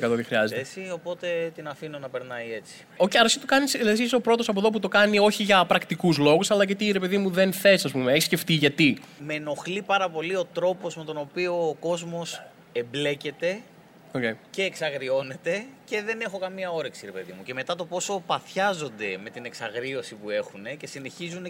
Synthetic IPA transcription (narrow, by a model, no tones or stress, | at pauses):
kɐt̪ot̪ixɾiɐzeesio̞po̞t̪e̞t̪inɐfino̞nɐpe̞ɾnɐje̞t͡si̥ | oceɐɾɐsit̪okɐnislesisopɾo̞t̪o̞sɐp̬oðo̞p̬ut̪o̞kɐnio̞çiʝɐpɾɐkt̪ikuzlo̞ɣusɐlɐcet̪iːɾe̞pe̞ðimuðe̞nθe̞sɐspumeeçisce̞ft̪iʝɐt̪ime̞no̞xlipɐɾɐpo̞lio̞t̪ɾo̞po̞zme̞t̪o̞no̞pio̞ːko̞zmo̞s | e̞mble̞ce̞t̪e̞ | ocejce̞ːksɐɣɾio̞ne̞t̪e̞ce̞ðe̞ne̞xo̞kɐmiɐo̞ɾe̞ksiɾe̞pe̞ðḭmuce̞me̞t̪ɐt̪o̞po̞sopɐθçɐzo̞nd̪e̞me̞t̪ine̞ksɐɣɾio̞sipue̞xune̞ce̞sine̞çizune